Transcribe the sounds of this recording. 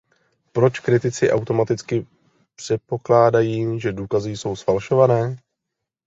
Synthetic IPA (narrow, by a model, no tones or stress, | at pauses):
pɾo̞t͡ʃkɾɪt̪ɪt͡sɪʔawt̪o̞mat̪ɪt͡skɪ | pr̝̥ɛt̪̚po̞klaːdajiːʒɛduːkazɪjso̞wsfalʃo̞vanɛː